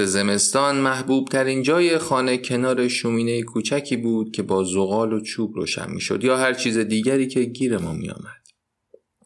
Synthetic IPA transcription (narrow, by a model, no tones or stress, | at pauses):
eze̞me̞st̪ɒːnmæhbuːb̥̚t̪ʰæɾiːnd͡ʒɒːjexɒːne̞cʰe̞nɒːɾe̞ʃumiːnejekʰuːt͡ʃʰæcʰiːbuːd̪̥̚cʲʰe̞bɒːzoɣɒːlot͡ʃʰuːbɾo̰ːʃæ̰nmḭːʃo̞̰d̪jɒːhæɾt͡ʃʰiːze̞d̪iːɟæɾiːcʰe̞ɟiːɾemɒːmḭjɒ̰ːmæd̪̥